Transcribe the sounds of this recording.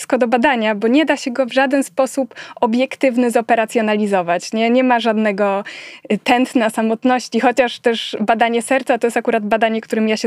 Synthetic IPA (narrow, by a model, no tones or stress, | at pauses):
skɔd̪ɔbad̪aɲabɔɲɛd̪aɕɛɡɔvʐad̪ɛnspɔsupɔbʲjɛkt̪ɘvnɘzɔpɛɾat̪sʲjɔnalʲizɔvat͡ɕɲɛɲɛmaʐad̪nɛɡɔ | t̪ɛnt̪nasamɔt̪nɔɕt͡ɕixɔt͡ɕaʂt̪ɛʂbad̪aɲɛsɛɾt̪sat̪ɔjɛst̪akuɾad̪bad̪aɲɛkt̪uɾɘmjaɕɛ